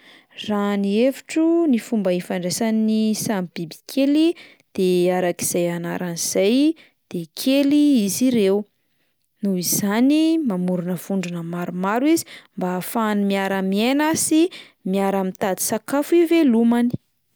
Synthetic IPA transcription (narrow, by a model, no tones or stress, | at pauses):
ranieviʈ͡ʂunifumbəifaɳɖ͡ʐesanisambibi̥kʰeli | d̪̥eaɾakiz̥ajana̰ɾʔaniz̥aj | d̪̥ekʰeliiziɾew | nuiz̥animamuɾunəv̥uɳɖ͡ʐunəmaɾumaɾizi̥mbaːfanimiaɾamienasi | miaɾamit̪ad̪i̥sakafuivelumani̥